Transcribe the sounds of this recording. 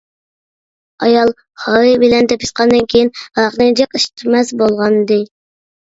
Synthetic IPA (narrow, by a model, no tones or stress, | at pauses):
ɑjɑlˠ | hɑɨbɪlɛnd̪ɛpʰisqɑnd̪ɨnkʲʰejinɑʁnɨŋd͡ʒəqiʃt̪ʰmɛzbolˠʁɑnd̪ɨ